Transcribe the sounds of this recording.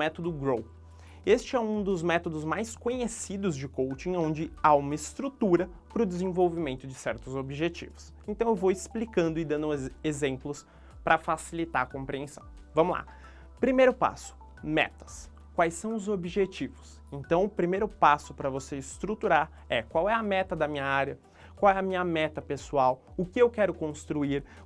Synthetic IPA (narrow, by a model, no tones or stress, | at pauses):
mɛt̪od̪ʊɡɾow | est͡ʃɪɛũd̪ʊzmɛt̪od̪ʊzmajskõɲesid̪ʊzd͡ʒɪkowt͡ʃĩõnd͡ʒɪaũmɐɪst̪ɾut̪uɾɐ | pɾʊd̪ɪzẽvowvimẽnt̪ʊd͡ʒɪsɛɾt̪ʊzobiʒet͡ʃḭvʊs | ẽnt̪ɐ̃w̃ewvowɪsplikɐ̃nd̪ʊɪd̪ɐ̃nd̪ʊezẽmplʊs | pɾɐfasilit̪aɾɐkõpɾiẽsɐ̰̃w̃ | vɐ̃mʊla̰ | pɾimejɾʊpa̰sʊ̥ | mɛ̰t̪ɐ̥s | kwajsɐ̃w̃ʊzobiʒet͡ʃivʊs | ẽnt̪ɐ̃w̃ʊpɾimejɾʊpasʊpɾɐvoseɪst̪ɾut̪uɾaɾ | ɛkwawɛɐmɛt̪ɐd̪ɐmĩɲɐaɾjɐ | kwawɛɐmĩɲɐmɛt̪ɐpesuaw | ʊkɪewkɛɾʊkõst̪ɾuiɾ